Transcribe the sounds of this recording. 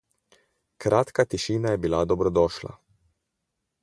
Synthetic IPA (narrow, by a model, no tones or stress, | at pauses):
kɾʔaːt̪kat̪iʃiːnajɛbilad̪ɔbɾɔd̪ɔːʃla̰